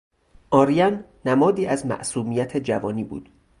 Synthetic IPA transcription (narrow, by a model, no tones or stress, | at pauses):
ʔɒːɾijænː | æmɒːd̪iːæzmæ̰ʔsuːmijæt̪ʰed͡ʒævɒːniːbṵːd̪̥